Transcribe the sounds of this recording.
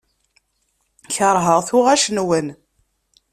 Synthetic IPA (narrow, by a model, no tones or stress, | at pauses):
çəɾˤɦəʁθʊʁæʃnwən